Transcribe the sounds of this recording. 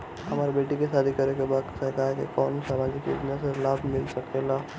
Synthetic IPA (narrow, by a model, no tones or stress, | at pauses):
ɦɐmaːɾibeːʈikesaːd̪ʱikɐɾekebaːd̪sɐkakḛkɔːnsaːmaːd͡ʒikḭznaselaːbʱmɪlsɐkela